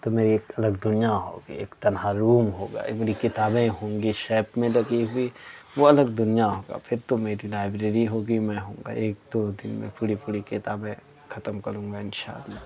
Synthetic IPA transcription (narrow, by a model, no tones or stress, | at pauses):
t̪omeːɾieːkɐləɡd̪ʊnijaɦo̰ːɡḭḛːkt̪ɐnɦaɾuːmɦoːɡa̰ːmeːɾikɪt̪aːbẽɦõːŋɡiʃeːpmẽlɐɡiɦʊiʋoɐləɡd̪ʊnijaɦoːɡa̰ːpʰɪɾt̪omeːɾilaːɪbɾeːɾiɦoːɡimɛ̃ɦõ̰ːŋɡa̰ːʔeːk̚d̪oːd̪ɪnmḛ̃pʊɽipʊɽikɪt̪aːbẽ | xʰɐt̪əmkɐɾũːŋ̆ɡaɪnʃa̰ːd̪mẽ